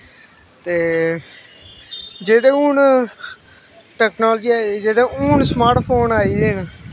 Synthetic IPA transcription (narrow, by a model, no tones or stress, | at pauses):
t̪eː | d͡ʒeːd̪ẽːuːn | ʈɛːknoːld͡ʒiːaːd͡ʒeːd̪ẽuːɳsmaːɾʈpʰoːnaːiːen